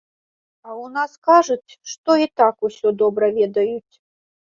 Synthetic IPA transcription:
ɐwnaskaʐɐt͡sʲʂt̪ɔit̪akusʲɔd̪ɔbɾɐvʲɛd̪ɐjut͡sʲ

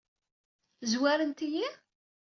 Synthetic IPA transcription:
zwæɾənt̪iji

